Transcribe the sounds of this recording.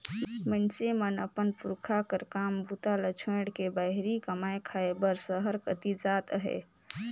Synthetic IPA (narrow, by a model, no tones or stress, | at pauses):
mənsemənəpənpuɾkʰakəɾkambʱut̪alət͡ʃʰẽɽkebaɦɾikəmaekʰaebəɾsəɦəɾkət̪id͡ʒat̪ɦɛ̰